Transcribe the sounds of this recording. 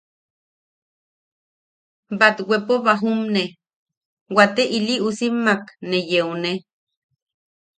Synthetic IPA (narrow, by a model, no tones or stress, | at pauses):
bat̪wepoβaɦumne | wat̪eʔiliʔusimːaknejeune